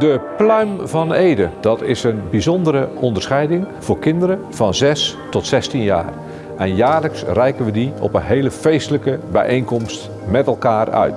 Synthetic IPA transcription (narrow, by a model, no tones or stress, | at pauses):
dəplœɥmvɑnejdədɑtʰɪsənbizɔndəɾəʔɔndərsχɛjdɪŋvʊːrkɪndəɾə | v̥ɑnzɛstɔtsɛstinja̰ːr | ɛnjaːləksrɛjkənʋədiɔ̰pənɦeːləfejstələkəbɛ̰jʔejnkɔmst | mɛtɛlˠkaːrœ̰ɥt